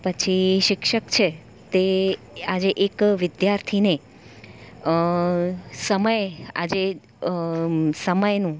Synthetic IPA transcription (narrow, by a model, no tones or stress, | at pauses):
pət͡ʃʰiʃɪkʃəkt͡ʃʰe | t̪e | ad͡ʒeʔekʋɪd̪jaɾt̪ʰine | ə | səməja̰d͡ʒe | səməjnũ